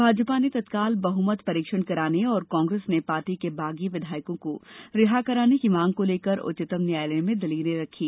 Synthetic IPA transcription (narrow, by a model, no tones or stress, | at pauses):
bʱaːd͡ʒpanet̪ɐt̪kaːlbɐɦumət̪pɐɾiːkʃəɽ̃kɐɾaːneɔːɾkɔ̃ːŋɡɾeːsnepaːɾʈikebaːɡiʋɪd̪ʱaːɪkõkoɾɪɦakɐɾaːnekimãːŋɡ̚koleːkəɾʊ̰t͡ʃɪt̪əmnjaːjlemẽd̪ɐliːnẽɾɐkʰiː